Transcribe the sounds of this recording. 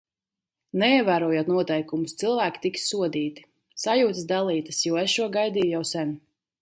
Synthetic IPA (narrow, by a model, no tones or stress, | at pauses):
nɛiɛvæːɾuɔjuːt̪nuɔt̪ɛjkumust̪silˠvæːkʲi̥t̪iksuɔd̪iːt̪i̥ | sajuːt̪əsd̪alˠiːt̪ɐsjuɔesʃuɔɡajd̪iːjjawsɛn